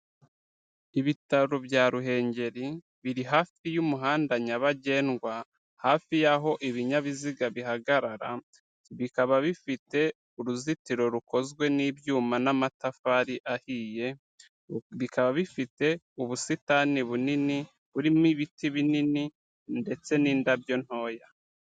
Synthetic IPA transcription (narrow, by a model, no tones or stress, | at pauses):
iβitaɾobjaːɾuɦe̞ːɲɟe̞ɾi | βiɾiɦaːfijumuɦaːndaɲaβaɟe̞ːnɡwa | haːfijaɦo̞ʔiβiɲaβiziɡaβiɦaɡaɾaɾa̰ | βikaβaβifite̞ | uɾuzitiɾo̞ɾuko̞zɡwe̞nibjuːmanamatafaɾiʔahiːje̞ | βikaβaβifite̞ | uβusitaniβunini | βuɾimiβitiβinini | nde̞t͡se̞niːndabjo̞n̥ho̞ːja